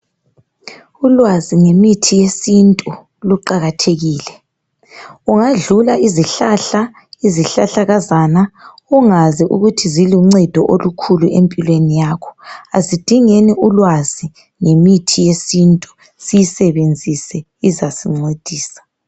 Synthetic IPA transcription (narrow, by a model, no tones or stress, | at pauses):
ulwaziŋemitʰijesintʼu | luǃaɣatʰeɣiːlɛ | uŋaɮulaiziɬaɬa | iziɬaɬaɣazana | uŋaziʔṵɣutʰiziliuŋ͡ǀɛd̥ʱɔʔolukʰuluʔempʼilwenijaːkʰɔ̥azid̥ʱiŋeniʔulwazi | ŋemitʰijesintʼu | sijisɛβend͡zʱisɛ | izasiŋ͡ǀed̥ʱiːsḁ